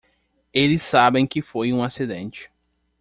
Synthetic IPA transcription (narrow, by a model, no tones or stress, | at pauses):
elɪsabẽj̃kɪfojũasid̪ḛ̃nt͡ʃɪ̥